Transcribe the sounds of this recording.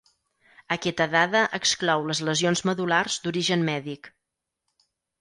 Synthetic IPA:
əkɛt̪əðaðəʔəksklɔwləzləzionzməðularzd̪uɾiʒənmɛðik

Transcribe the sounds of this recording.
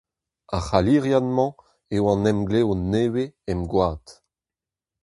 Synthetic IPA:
aχaliʁjanmɑ̃ | ewɑ̃nɛmɡleoneːweɛmɡwaːt

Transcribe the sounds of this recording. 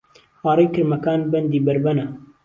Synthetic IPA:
wɑːrˤejkɨɾmɐkaːnbɐnd̪iːbɐɾbɐnɐ

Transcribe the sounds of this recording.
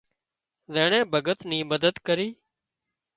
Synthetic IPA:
zeːɳɛ̃ːbʱəɡət̪nĩːməd̪əd̪kəɾiː

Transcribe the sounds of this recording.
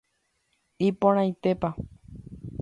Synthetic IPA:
ipõɾ̃ãj̃t̪e̞pa

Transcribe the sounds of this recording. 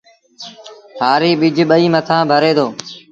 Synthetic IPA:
ɦaːɾiːɓɪd͡ʒʱɓəiːmət̪ʰãːbʱəɾeːd̪oː

